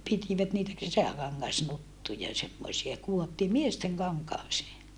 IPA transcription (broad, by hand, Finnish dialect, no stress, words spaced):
pitiʋæt niːtæ kesækɑŋːɑsnutːujɑ semːosiɑ kuotːiː miesteŋ kɑŋkɑːseː